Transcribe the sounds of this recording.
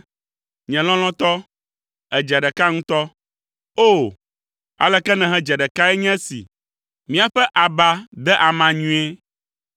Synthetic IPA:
ɲɛ̃˨l̃ɔ̃˦l̃ɔ̃˦t̪ɔ˦ | ɛ˨d͡ʒɛ˨ɖɛ˨ka˦ŋũ˦t̪ɔ˦ | o˦˨ | a̰˨lɛ˨kɛ˦nɛ̃˨ɦɛ̃˦d͡ʒɛ˨ɖɛ˨ka˦ɛ˦ɲɛ̃˦sḭ˨ | mĩ˦a˨ɸɛ˦ʔa˨ba˦d̪ɛ˦ʔa˨mã˨ɲũ˦e˦

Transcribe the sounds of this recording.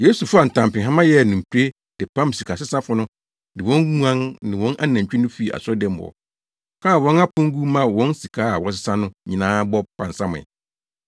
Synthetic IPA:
je˦su˨fʊ˦a˨n̩˨tʰã˨mpɪ̃˨ɦã˦mã˦jɛ˦˨nʊ̃˨m̩˨pʰi˦ɾe˦ | d̥ɪ˨pʰã˦msi˨kʰa˨sɪ˦sã˦fʊ˨˦nʊ̃˦ | dɪ˨wɔ̃˦ŋɡu˦ã˦nnɪ̃˨wɔ̃˦nʔa˦nã˨t͡ɕᶣi˦nʊ̃˦fi˦˨a̰˨sɔ˦dɛ̃˦m˦ʊ˨ɔ̰˨ | kʰa˦˨wɔ̃˦na˦pʰʊ̃˦ŋ˦ɡu˦mã˦wɔ̃˦nsi˨kʰaː˨˦a˨wɔ˨s̬ɪ˦sã˦nʊ̃˦ɲĩ˨nãː˦bɔ˦pʰã˨n˨sã˦mʊ̰̃˨ɛ̰˨

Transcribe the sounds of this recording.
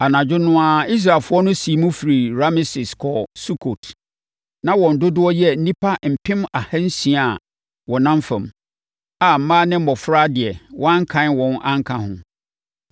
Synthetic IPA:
a˨nã˨d͡ʑᶣʊ˦nʊ̃˦a˦i˦s̬ɾaː˨lfʊ˦ɔ˦nʊ̃˦si˨˦mũ˦fi˨ɾi˨ɾa˦mɪ˦sɪ˨skʰɔ˨su˦kʰo˨tʰ | nã˦wɔ̃˨n̩˨dʊ˦dʊ˦ɔ˦jɛ˦n̩˦nĩ˦pʰa˦m̩˨pʰɪ̃˦ma˨ha˦n̩˦sĩ˨˦a˨ | wɔ˨nã˦m˦fã̰˨m | a˨m̩˨˦mãː˦nɪ̃˦m̩˦mɔ˨fɾa˦dɪ˨ɛ˨wʔɔ̃˦ã˦ŋ˦kʰã˦nwɔ̃˨nʔã˦ŋ˦kʰã˦hʊ̰̃˨

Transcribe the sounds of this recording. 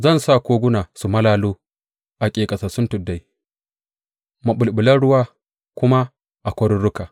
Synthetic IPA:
zɐ˦˨nsa˦˨kʷoː˦ɡʷʊ˦naː˨su˨mɐ˦laː˦loː˦ | ʔa˨kʲʼeː˨kʼɐ˨sa˨sʊ˦ntʊ˨dːa˨j | ma˨ɓʊ˨lɓʊ˨lɐ˦ɽʊ˦waː˦ | kʷʊ˦ma˦ | ʔa˨kʷɐ˦ɾʊ˦ɽʊ˦kaː˨

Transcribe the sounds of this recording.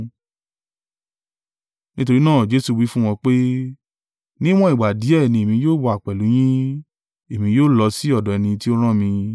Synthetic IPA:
nĩ˦t̬o˧ɾi˦nãː˦˨d͡ʒe˦su˧wi˦fũ˦w̃ɔ̃˧k͡pe˦ | nĩ˦w̃ɔ̃˦i˨ɡ͡ba˨di˨˦ɛ˦˨nĩ˧e˨mĩ˧joː˦˨wɔ˧a˨k͡pɛ˨lu˨˦j̃ĩ˦ | e˨mĩ˧joː˦˨lɔ˧si˦ɔ˦˨dɔ˨ɛ˨˧nĩ˧ti˦o˦ɾ̃ã˦mĩ˧

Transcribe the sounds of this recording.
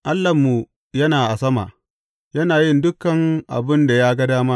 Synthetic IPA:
ʔa˦lːɐ˨mːu˨ | jɐ˦naː˨ʔa˨sɐ˦ma̰ː˨ | jɐ˦naː˨jɪ˦ndʊ˦kːɐ˨ŋʔa̰˨bɪ˦nda˨jaː˦ɡɐ˦daː˦ma˦

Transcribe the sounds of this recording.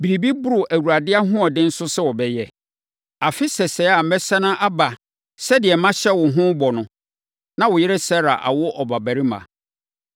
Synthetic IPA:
bi˨ɾi˨bi˦bʊ˦ɾʊ˨ʔæ˨wu˨ɾa˨dɪ˦a˦ɦʊ̃˦ɔ˨dɪ̃˦n̩˦sʊ˦sɛ˦wɔ˨bɛ˦jɛ˨ | a˨fɪ˦sɛ˨sɛ˨˦a˨m̩˨mɛ˦sa˦nã˦ʔa˦ba˨ | sɛ˦dɪ˨ɛ˨mã˦ɕɛ˦wʊ˨ɦʊ̃˦bɔ˨nʊ̃˦ | nã˦wʊ˨jɪ˦ɾɛ˦sɛ˦ɾa̰˨ʔa̰˨wʊ˦ʔɔ˨ba˨bæ˨ɾi˦mã̰˨

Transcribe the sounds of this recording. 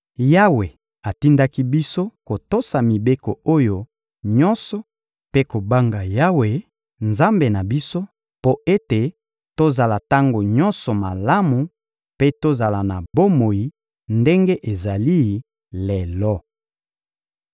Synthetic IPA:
ja˦we˨ | a˨ti˦nda˦ki˦bi˦so˦ko˨to˦sa˨mi˨be˦kɔ˨o˦jo˦ | ɲɔ˦nsɔ˨ | pe˦ko˨ba˦ŋɡa˨ja˦we˨ | nza˦mbe˨na˨bi˦so˦ | po˦ʔe˦te˨ | to˦za˨la˨ta˦ŋɡo˨ɲɔ˦nsɔ˨ma˨la˦mu˨ | pe˦to˦za˨la˨na˨bo˦mo˨ji˨ | nde˦ŋɡe˦ʔe˨za˨li˦˨ | le˨lɔ˦

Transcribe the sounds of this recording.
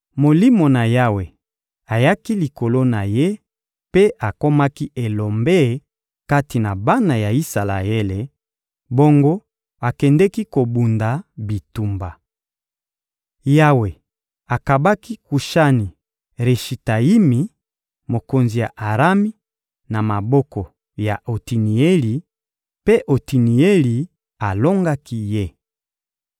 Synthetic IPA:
mo˨li˦mo˨na˨ja˦we˨ | a˨ja˦ki˦li˨ko˨lo˦na˨je˦ | pe˦ʔa˨ko˦ma˦ki˦e˨lo˨mbe˦ | ka˦ti˨na˨ba˦na˨ja˨i˦sa˨la̰˨e˦le˨ | bo˦ŋɡo˦ | a˨kɛ˨ndɛ˦ki˦ko˨bu˨nda˨bi˨tu˨mba˨ | ja˦we˨ | a˨ka˨ba˦ki˦ku˨ʃa˦ni˨ | ʁe˨ʃi˨ta˨i˦mi˨ | mo˨ko˨nzi˨ja˨ʔa˨ʁa˦mi˦ | na˨ma˨bɔ˦kɔ˨ | ja˨ʔo˨ti˨ni˨e˦li˨ | pe˦ʔo˨ti˨ni˨e˦li˨ | a˨lo˦ŋɡa˦ki˦je˦˨

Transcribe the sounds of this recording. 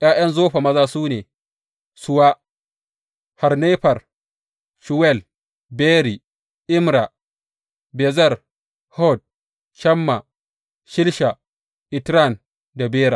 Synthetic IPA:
j̰aː˦jɐ˦nzoː˦ɸa˨mɐ˦zaː˦suː˦neː˨ | sʊ˦waː˦ | ha˨rneː˦ɸɐ˨r | ʃu˨wɛ˦˨l | beː˦ɾi˨ | ʔɪ˦mɾa˨ | bɛ˨zɐ˦˨r | hɔ˦d̚ | ʃɐ˦mːa˨ | ʃɪ˦lʃa˨ | ʔɪ˨tɾa˦˨n | da˨beː˦ɾa˨

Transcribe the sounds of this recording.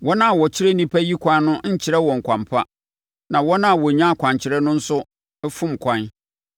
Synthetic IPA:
wɔ˦nã˦˨wɔ˨t͡ɕʰɪ˦ɾe˦nĩ˦pʰæ˦ji˦kʷʰã˦n˦nʊ̃˦ɲ̩˦t͡ɕʰɪ˨ɾɛ˦wɔ̃˨ŋ̩˨kʷʰã˨mpʰa˦ | nã˨wɔ˦nã˦˨wɔ˨ɲã˦a˨kʰʷã˨ɲt͡ɕʰɪ˨ɾɛ˦nʊ̃˦n̩˦sʊ˦ | ɛ˦fũ˦m̩˨kʷʰã˨n

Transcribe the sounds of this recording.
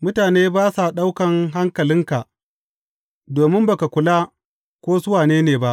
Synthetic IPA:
mʊ˦taː˨neː˦baː˦sa˨ɗa˦wkɐ˨ŋɦa˦ŋkɐ˨lɪ˦ŋka˨ʔ | doː˨mɪ˦mba˨ka˨kʷʊ˨laː˦ | kʷoː˦zʊ˦waː˨neː˦neː˨ba˦ʔ

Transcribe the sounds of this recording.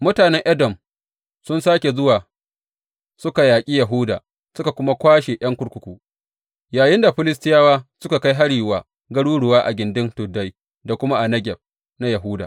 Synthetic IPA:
mʊ˦taː˨nɛ˦ŋʔɐ˦dɔ˨m | sʊ˦nsaː˦kʲe˨zʊ˦waː˨ | sʊ˦ka˨jaː˨kʲʼiː˦ja˨ɦʊ˦da̰ː˨ | sʊ˦ka˨kʷʊ˦ma˦kʷaː˦ʃe˨ʔɐ˦ŋkʷʊ˦ɽkʷʊ˨˦kʷuː˦ | jaː˨jɪ˦nda˨ɸɪ˦lɪ˦s̬tɪ˦jaː˦waː˦sʊ˦ka˨ka˦jɦa˦ɽiː˨waː˨ | ɡɐ˦ɽuː˦ɽʊ˨waː˦ʔa̰˨ɡʲɪ˨ndɪ˦ntʊ˨dːa˦j | da˨kʷʊ˦ma˦ʔa˨nɐ˦ɡʲɛ˨b̚ | na˦ja˨ɦʊː˦da̰ː˨

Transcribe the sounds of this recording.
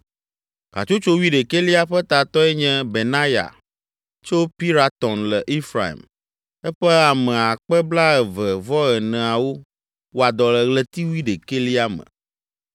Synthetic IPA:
ka̰˨t͡ʃo˦t͡ʃo˦wi˦ɖe˨ke˦li˦a˦ɸɛ˦t̪a˨t̪ɔ˦ɛ˦ɲɛ̃˦be˨nã˦ja̰˨ | t͡ʃo˦pi˦ɾa˦t̪ɔ̃˨nlɛ˨ʔi˦fɾa˨ḭ˨m | ɛ˦ɸɛ˦a˨mɛ̃˨a˨k͡pɛ˦bla˦ɛ˨vɛ˨vɔ˦ɣɛ˨nɛ̃˨a˨wo˦ | wo˦a˨d̪ɔ˨lɛ˨ɣlɛ˦t̪i˦wi˦ɖe˨ke˦li˦a˦mə̰̃˨

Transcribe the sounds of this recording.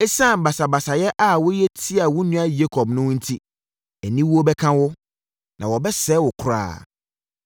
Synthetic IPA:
e˦sã˦˨n˨ba˨sa˨ba˨sa˨jɛ˦ʔa˦wʊ˦jɛ˦tʰi˦a˨wʊ˦nũ˦a˦je˦kʰɔ˨bnʊ̃˦wn̩˦tʰi˦ | ɛ˨nĩ˦wu˦o˦bɛ˦kʰã˦wʊ˦ | nã˨wɔ˨bɛ˦sɛ˨˦wʊ˨kʰʊ˨ɾa̰ː˦˨

